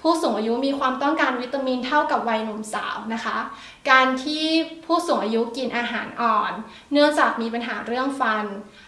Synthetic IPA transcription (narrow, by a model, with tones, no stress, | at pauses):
pʰuː˥˩su˨˩˦ŋʔaː˧ju˦˥miː˧kʰwaː˧mt̪ɔ˥˩ŋkaː˧nwi˦˥t̪ːaː˧miː˧nt̪ʰa˥˩wka˨˩p̚wa˧jŋu˧msa̰ː˩˦wna˦˥kʰa˦˥ | kaː˧nt̪ʰiː˥˩pʰuː˥˩su˨˩˦ʔaː˧ju˦˥ki˧nʔaː˧ɦaː˩˦nʔɔː˨˩nː | ɯ˥˩əŋt͡ɕaː˨˩k̚miː˧pa˧nɦaː˩˦ɾɯ˥˩əŋfa˧n